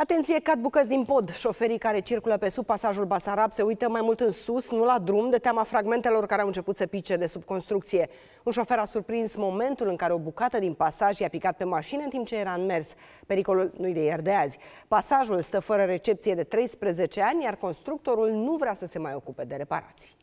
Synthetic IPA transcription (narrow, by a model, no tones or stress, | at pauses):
at̪e̞nt̪sije̞kat̪̚bukət̪zʲd̪inpo̞d̪ʃo̞fe̞ɾikaɾe̞t͡ʃirkuləpe̞sub̚pasaʒulbasaɾabse̞ujt̪əmajmult̪ɨnsusnulad̪ɾumd̪e̞t̪eamafɾaɡme̞nt̪e̞lo̞rkaɾeawɨnt͡ʃe̞put̪səpit͡ʃe̞d̪e̞sub̚ko̞nst̪ɾukt̪sije̞ | unʃo̞fe̞ɾasurpɾinsmo̞me̞nt̪ulɨŋkaɾe̞o̞bukat̪əd̪inpasaʒjapikat̪̚pe̞maʃineɨnt̪imp̚t͡ʃe̞jeɾaɨnme̞rs | pe̞ɾiko̞lulnujd̪ejerd̪eazʲpasaʒulst̪əfəɾəɾe̞t͡ʃe̞p̚t̪sijed̪e̞t̪ɾe̞jspɾeze̞t͡ʃe̞anʲjarko̞nst̪ɾuk̚t̪o̞ɾulnuvɾeasəse̞majo̞kupe̞d̪e̞ɾe̞pa̰ɾa̰t̪si̥